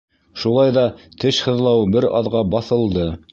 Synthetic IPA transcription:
ʃulˠɑjðɑt̪ʰɘʃhɤ̆ðlˠɑwbɘɾɑ̰ðʁɑbɑθɤ̆lˠd̪ɤ

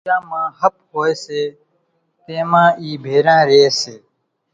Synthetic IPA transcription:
ãːmãːhəp̚hoːeːseː | t̪eːmãːʔiːbʱeːɾãːɾeːseː

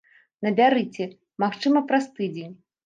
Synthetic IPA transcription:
nɐbʲaɾɨt͡sʲɛ | maxt͡ʂɨmɐpɾɐst̪ɨd͡zʲenʲ

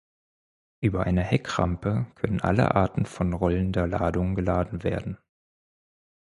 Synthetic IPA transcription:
ʔyːbɐʔaɪnəhɛkʁ̥a̰mpəkʰœnənʔa̰lə̰ʔa̰ɐtn̩fɔnʁɔləndəɐlaːdʊŋɡəlaːdn̩vḛːɐdn̩

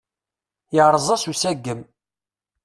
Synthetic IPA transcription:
jəʕɾˤəzˤɑsusæɡːəm

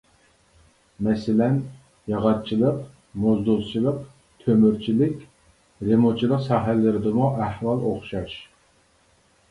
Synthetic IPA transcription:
mɛsɪlɛn | jɑʁɑt̪̚t͡ʃʰilˠəq | mozd̪ulˠt͡ʃʰilˠəq | t̪ʰømyɾt͡ʃʰilɪkʲ | ɾemot͡ʃʰilˠəqsɑːɦællːɪɾɪd̪ɨmuʔæhwɑlˠoχʃɑʃ

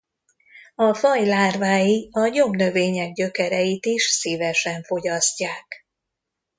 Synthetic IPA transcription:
ɒfɒjlaːrvaːjiɒɲomnø̞veːɲɛɡɟø̞kɛɾɛjit̪iʃsiːvɛʃɛɱfo̞ɟɒscaːk

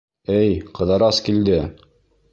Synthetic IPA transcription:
ɘjqɤ̆ðɑɾɑskild̪ɘ

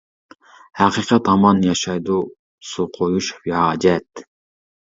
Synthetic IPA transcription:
hæqʰiqʰɑt̪ɑmɑnjɑʃɑjd̪u | suqʰojuʃvihɑːd͡ʒɛt̪

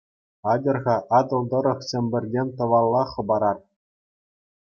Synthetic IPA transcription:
ɑdʲɤ̆rʁɑʔɑd̪ɤ̆lˠd̪ɤ̆ɾɤ̆χɕʲɘ̆mʲbʲɘ̆rʲdʲemʲt̪ɤ̆ʋɑlˠːɑχɤ̆bɑɾɑr

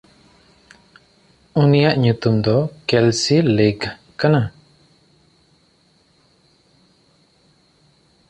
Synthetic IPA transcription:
unijaʔɲut̪umd̪ɔkɛlsiliɡ | kana

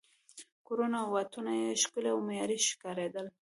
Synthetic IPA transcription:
koɾonawat̪unajeʃkəleawmajɑɾiʃɪ̥kɑɾed̪əl

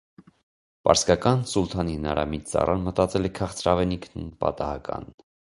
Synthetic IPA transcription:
pɑɾskɑkɑnsult̪ʰɑnihənɑɾɑ̰mit̪t͡sɑ̰rʔɑnmət̪ɑt͡sɛlɛkʰɑχt͡sʰɾɑvɛnikʰnunpɑ̰t̪ɑhɑkɑ̰n

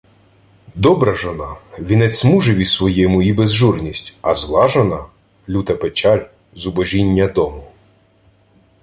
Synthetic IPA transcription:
d̪ɔbɾɐʒɔnɑʋʲinɛt͡sʲmuʒɛʋʲisʋɔjɛmʊibezʒurnʲisʲtʲɐzlˠɑʒɔnɑ | lʲut̪ɐpet͡ʃɑlʲ | zʊbɔʒʲinʲːɐd̪ɔmʊ

